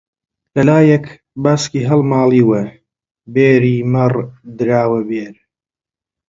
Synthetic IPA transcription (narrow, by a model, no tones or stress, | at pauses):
lɐlaːjɛk | baːskiːɦɐlmaːliːwɐ | beːɾiːmɐrd̪ɨɾaːwɐbeːɾ